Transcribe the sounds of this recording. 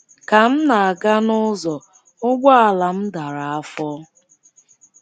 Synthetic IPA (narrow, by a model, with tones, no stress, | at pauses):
ka˨m̩˦na˨a˨ɡa˦nʊ˦zɔ˨ | ʊ˦ɡʷa˦a˨la˨m̩˦da˨ɾa˨a˦fɔ˦